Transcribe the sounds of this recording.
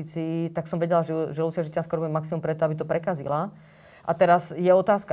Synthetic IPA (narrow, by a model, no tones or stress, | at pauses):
it͡siːt̪aksɔmʋɛɟɛlaʒɛʒɛlusɪaʒic̪anskɔɾɔbuɛmaksimumpɾɛt̪ɔabit̪ɔpɾɛkazḭla | ʔa̰t̪ɛɾazjɛɔt̪aːska